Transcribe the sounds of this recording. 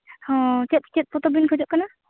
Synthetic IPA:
hɔ̃t͡ʃɛt̪̚t͡ʃɛt̪̚pɔt̪ɔbinkʰɔd͡ʒɔʔ̚kana

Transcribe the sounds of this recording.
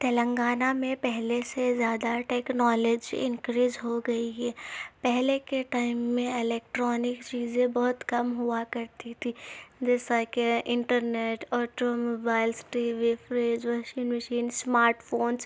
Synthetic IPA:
t̪ɐlə̃ŋɡaːnamẽpɛɦlesezjaːd̪aʈeːknɔːled͡ʒiɪ̰̃nkɾiːd͡ʒɦoɡɐiɦɛːpɛɦlekeʈaːɪmːẽɪleːk̚ʈɾɔːnɪkt͡ʃiːzẽbɐɦʊt̪kɐmɦʊakɐɾt̪it̪ʰid͡ʒɛːsakeʔɪ̃ɳʈəɾneːʈɔːʈomoːbaːɪlsʈiʋifɾeːd͡ʒʋɐʃiːnmɪʃiːnsmaːɾʈfoːns

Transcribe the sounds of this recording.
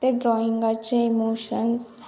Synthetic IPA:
t̪eɖɾɔːĩŋɡat͡ʃʰeimoːʃəns

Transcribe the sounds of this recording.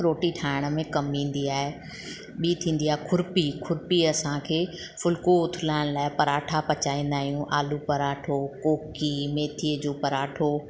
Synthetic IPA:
ɾoːʈiʈʰaːɪɽ̃ə̆mẽkɐmĩːn̆d̪iaːɦe | ɓiːt̪ʰĩːnd̪iaːɦekʰʊɾpikʰʊɾpiɐsãkʰeː | fʊlkoʊt̪ʰɪlaːɪɽ̃laːɪpɐɾaːʈʰapɐt͡ɕaːĩːn̆d̪aːɦijũʔaːlupɐɾaːʈʰokoːkimeːt̪ʰiəd͡ʑoːpɐɾaːʈʰo

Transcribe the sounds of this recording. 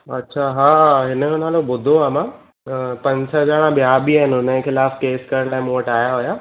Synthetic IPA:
ɐtːɕʰaɦaːɦɪnəɦonaːlobʊd̪ʱoaːmã | pɐ̃ɲd͡ʑsəzaːɽ̃ãbjabiaːɪnʊnəkʰɪlaːfkeːskɐɾəɽlaːɪ̃mõːəʈaːjaɦojaː

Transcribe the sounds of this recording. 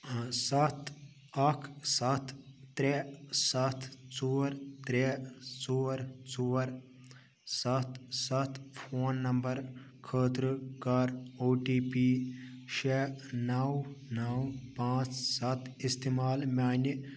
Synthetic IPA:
sɐt̪ʰ | ɐkʰsɐt̪ʰː | ɾesɐt̪ʰt͡suːɾt̪ɾet͡soːɾt͡soːɾ | sɐt̪ʰsɐt̪ʰpʰoːnːɐmbɐɾ | kʰəːt̪ɾɨkaɾoːʈiːpiːʃenɐwnɐwpãːt͡ssɐt̪ʰist̪eːmaːlmʲaːnʲi

